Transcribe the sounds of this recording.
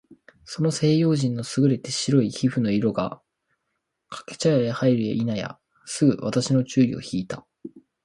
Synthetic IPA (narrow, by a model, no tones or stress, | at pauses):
so̞no̞se̞ːjo̞ːʑĩnːo̞sɨɡɯ̟ɾe̞t̪e̞ɕiɾo̞içiɸɯ̟no̞iɾo̞ɡa̰ | kʰḁke̥t͡ɕajaehaiɾɯ̟ḛʔinaja̰ | sɨɡɯ̟̰βa̰t̪aɕino̞t͡ɕɨːio̞̰çiːt̪a